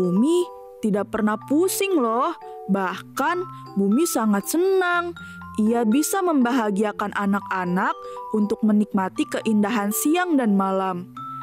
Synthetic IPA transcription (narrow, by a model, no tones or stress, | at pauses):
umi | t̪idak̚pərnahpusɪŋlɔhbahkan | bumisaŋat̪̚sənaŋ | ʔijabisaməmbaɦaɡiakanʔanak̚anak̚unt̪ʊk̚mənik̚mat̪ikəʔindaɦansiaŋdanmalam